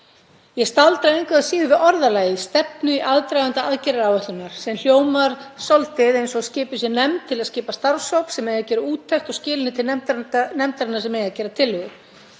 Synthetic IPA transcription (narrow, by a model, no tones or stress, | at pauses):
jɛst̪alt̪ɾaejŋkvaðasiːðʏvɪðɔɾðalaːjɪst̪ɛp̚nʏiʔaðt̪ɾajvant̪aaðcɛɾaɾawvɛht̪lʏnaɾ̥sɛml̥joːwmaɾ̥sɔlt̪ɪðejnsɔscɪːpʏsjɛnɛmt̪ʰɪlaðscɪːpast̪aɾsowpsɛmɛjacɛːɾʏuːt̪ʰːɛxt̪ɔɣscɪːlɪnɪt̪ʰɪlnɛmt̪aɾɪnaɾsɛmejɣacɛːɾat̪ʰɪlːʏɣʏ̥